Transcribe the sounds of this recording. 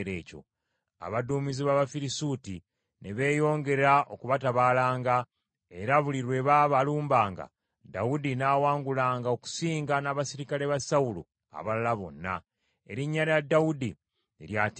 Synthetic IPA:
ɾḛːco̞̰ | a̰βaduːmiziβaβafiɾisuti | ne̞βe̞ːjo̞ːŋɡe̞ɾaʔo̞kuβataβaːlaːŋɡa | e̞ɾaβuliɾwe̞βaːβaluːmbaːŋɡa̰ | da̰udinaːwaːŋɡulaːŋɡao̞ku̥siːŋɡanaβasiɾikale̞βasawulṵ | a̰βalalaβo̞̰nːa̰ | e̞̰ɾiɲːaɾjadːaudi | eɾjat

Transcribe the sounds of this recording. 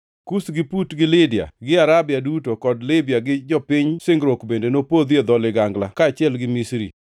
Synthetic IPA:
kusɡɪputɡɪlɪdia̰ɡɪaɾabjadutokɔdlɪbɪjaɡɪd͡ʒɔpɪɲsɪŋɡɾokbendenopod̪jed̪ɔlɪɡaŋɡla̰kaːt͡ʃjɛlɡɪmisɾḭ

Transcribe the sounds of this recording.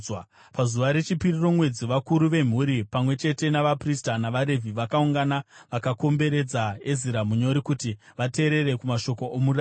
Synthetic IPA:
pazuʋaɾe̞t͡ʃipiriro̞mwe̞d͡ziʋakuɾuʋe̞m̤uɾipamwe̞t͡ʃe̞te̞naʋapristanaʋaɾe̞vʱiʋakauŋɡanaʋakako̞mbe̞ɾe̞d͡zaeziɾamuɲo̞ɾikutiʋate̞ːɾe̞ɾe̞kumaʃo̞ko̞ʔomura

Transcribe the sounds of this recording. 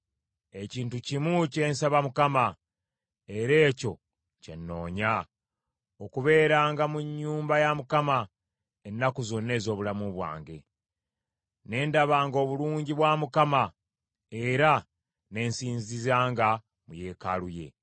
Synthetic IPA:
e̞ciːntucimuce̞ːnsaβamukama | e̞ɾe̞ːco̞ | ce̞̰nːo̞̰ːɲa | okuβe̞ːɾaːŋɡamuɲːuːmbajamukama | enːakuzo̞nːe̞ːzo̞ːβulamuβwa̰ːŋɡe̞̰ | ne̞ːndaβaːŋɡo̞ːβuluːɲɟiβwaːmukama | e̞ɾa | ne̞ːnsiːnzizaːŋɡa | muje̞ːkaluje̞̰

